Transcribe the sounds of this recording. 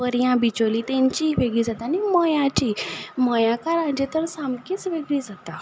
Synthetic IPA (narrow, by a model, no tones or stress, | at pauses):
əɾjãbit͡ɕolit̪ɛ̃ɲt͡ɕiːʋeɡɭiːd͡zat̪aːniməjãt͡ɕiːməjãkaɾãd͡ʑet̪əɾsamkiːt͡sʋeɡɭiːd͡zat̪a